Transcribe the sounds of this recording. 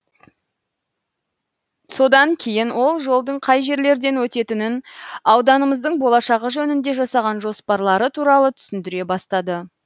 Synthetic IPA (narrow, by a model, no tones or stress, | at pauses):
so̞d̪ɑŋkʲʰe̞jɪnwo̞lˠʒo̞lˠd̪əɴqʰɑjʒe̞ɾle̞ɾd̪e̞nwɵt̪e̞t̪ɪnɪnɑwd̪ɑnəməzd̪əɴbo̞lˠɑʃɑʁəʒɵnɪnd̪e̞ʒɑsɑʁɑnʒo̞spɑɾlˠɑɾət̪ʰuɾɑlˠət̪ʰʏ̥sɪnd̪ɪɾe̞bɑst̪ɑd̪ə